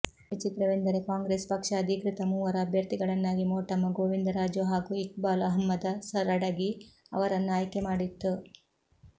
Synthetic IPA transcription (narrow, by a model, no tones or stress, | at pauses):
ʋit͡ʃit̪ɾɐʋend̪ɐɾekaːŋɡɾeːspɐkʂɐːd̪ʱikɾit̪ɐmuːʋɐɾɐːbʱjɐɾt̪iɡɐɭɐnːaːɡimoːʈɐmːɐɡoːʋind̪ɐɾaːd͡ʒjoɦaːɡuik̚baːlɐɦɐmːɐd̪ɐsɐɾɐɽɐɡiɐ̰ʋɐɾɐnːaːjkemaːɽit̪ːu